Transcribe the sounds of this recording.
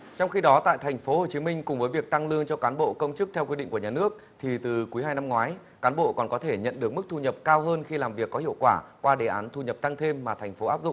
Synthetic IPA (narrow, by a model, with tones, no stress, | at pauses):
t͡ɕɔ˧wŋ͡mxi˧ɗɔ˨˦t̪a̰ː˧˨jt̪ʰɛ˨˩jŋ̟fo˨˦ho˨˩t͡ɕi˨˦mï˧ŋ̟kʊ˨˩ŋ͡mvəː˨˦jvi˨˩ək̚t̪a˧ŋlɨ˧əŋt͡ɕɔ˧kaː˨˦nɓo̰˧˨kə˧wŋ͡mt͡ɕɨ˦˥k̚t̪ʰɛ˧wkwi˧ɗḭ̈˧ŋ̟ku˧˩ɲaː˨˩nɨ˦˥ək̚t̪ʰi˨˩t̪ɨ˨˩ku˨˦jɦaː˧jna˧mŋwaː˨˦j | kaː˨˦nɓo̰˧˨kɔ˨˩nkɔ˨˦t̪ʰe˧˩ɲə̰˧˨nɗɨ˨˩ək̚mɨ˦˥k̚t̪ʰu˧ɲə˨˩p̚kaː˧wɦəː˧nxi˧laː˨˩mvi˨˩əkːɔ˨˦hḭ˧əwkwaː˧˩kwaː˧ɗe˨˩ʔaː˨˦nt̪ʰu˧ɲə˨˩p̚t̪a˧ŋt̪ʰe˧mːaː˨˩t̪ʰɛ˨˩jŋ̟fo˨˦ʔaː˦˥p̚zʊ̰˧˨ŋ͡m